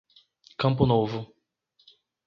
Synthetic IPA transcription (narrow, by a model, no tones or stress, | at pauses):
kɐ̃mp̬ʊnovʊ